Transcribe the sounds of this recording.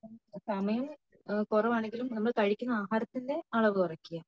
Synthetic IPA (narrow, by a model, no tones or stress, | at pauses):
sɐmɐjɐm | kurɐʋaːɳe̞ŋɡilumnɐmːɐɭt̪ɐɻikʲːunːɐaːɦaːɾɐt̪ːinde̞ɐɭɐʋɨt̪urɐkːijaː